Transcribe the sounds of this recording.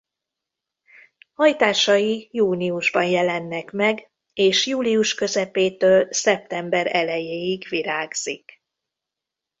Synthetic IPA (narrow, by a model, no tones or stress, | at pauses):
hɒjt̪aːʃɒjijuːniuʒbɒnjɛlɛnːɛkmɛɡ | eːʃjuːliuʃkø̞zɛpeːt̪øːlsɛp̚t̪ɛmbɛɾɛlɛjeːjiɡʋiɾaːɡz̥ik